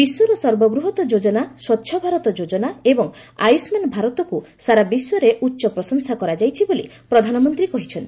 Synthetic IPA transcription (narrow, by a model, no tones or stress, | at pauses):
biswɔɾɔsɔɾbɔɡɾuɦɔt̪ɔd͡ʒod͡ʒɔnaswɔtːʃʰɔbʱaɾɔt̪ɔd͡ʒod͡ʒɔnaebɔŋ | a̰jsmanbʱaɾɔt̪ɔkusaɾabiswɔɾeʔutːʃɔpɾɔsɔŋsakɔɾad͡ʒajt͡ʃʰibolipɾɔd̪ʱanɔmɔnt̪ɾikɔɦit͡ʃʰɔnt̪i